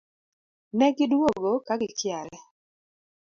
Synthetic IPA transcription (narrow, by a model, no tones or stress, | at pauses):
nɛɡɪdwoɡokaɡɪkjaɾɛ